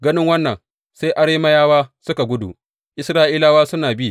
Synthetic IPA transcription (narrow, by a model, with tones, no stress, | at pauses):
ɡɐ˦nɪ˦ŋwɐ˦nːɐ˨ŋ | se˦jʔa˦ɽeː˦mɐ˦jaː˦waː˦sʊ˦ka˨ɡʷʊ˦dṵ˨ʔ | ʔɪ˦sɾaː˦ʔiː˦laː˦waː˦sʊ˦naː˨bi˦